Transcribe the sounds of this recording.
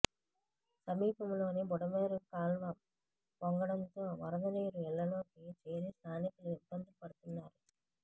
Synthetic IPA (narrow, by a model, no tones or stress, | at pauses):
sɐmiːpɐmlo̞ːnibɔɽɐmeːɾukaːlʋɐ | pɔŋɡɐɽɐnt̪o̞ːʋɐɾɐd̪ɐniːɾuɛɭːɐnoːkit͡ʃeːɾist̪ʰaːnikuluibːɐnd̪ipɐɽut̪unːaːɾu